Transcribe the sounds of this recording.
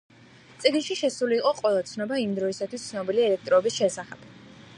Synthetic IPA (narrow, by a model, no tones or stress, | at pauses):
t̪sʼiɡnʃiʃɛsuliːqʼɔqʼwɛlˠat̪sʰnɔbaimd̪ɾɔisat̪ʰwist̪sʰnɔbiliɛlɛk̚ʰt̪ʼɾɔbisʃɛsaχɛb̥